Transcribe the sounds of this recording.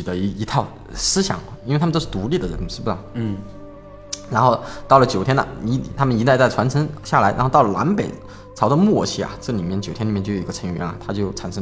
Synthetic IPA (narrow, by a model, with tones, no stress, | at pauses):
y˨˩ə˧˦i˧˥i˧˥t̪ʰɑ˥˩ʊ | sɹ̩˥ɕjɑ̰˨˩˦ŋi˥we˧˩t̪ʰʂ̩˥˩t̪u˧˥li˥˩d̪ə˩ɻə̰˧˥nʂɻ̩˥˩bu˩ə˨˩ | ɻa˧˥nxo˥˧ʊt̪ɑ˥˩ʊlə˩t͡ɕjo˨˩ʊt̪ʰjɛ˥nɐ̰˨˧˥t̪ʰa˥mə˨ni˧˥t̪a˥˧ɪt͡sa˥˩ɪʈ͡ʂʰwa˧˥nʈ͡ʂʰə˧˥ŋɕja˥˩la˧˥ɪɻa̰˧˥xt̪ɑ˥˩ʊlə˩la̰˧˥npe˨˩ɪ | t͡sʰɑ˧˥ʊdə˧mwɔ˥˩t͡ɕʰi˧˥˩ɐ̰˨ʈ͡ʂɤ˥˩li˨˩mjɛ˥˩nt͡ɕjʊjni˨˩mɛ˥˩t͡ɕo˥˩˨ə˧ʈ͡ʂʰɤ˧˥ɥɛ˧˥nɐ̰˨˩t̪ʰa˥t͡ɕjo˥˩ʊʈ͡ʂʰa˨˩nʂə˥